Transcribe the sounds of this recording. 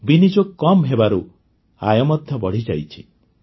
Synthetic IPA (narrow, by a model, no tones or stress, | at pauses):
binid͡ʒokːɔmɦebaɾu | a̰jɔmɔd̪ʱjɔbɔɽ̤id͡ʒajt͡ʃʰi̥